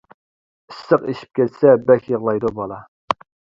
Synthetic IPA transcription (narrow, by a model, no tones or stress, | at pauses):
isːəqeʃi̥p̚kʲʰɛt̪sɛbækʲjəʁlˠɑjd̪ubɑlˠɑ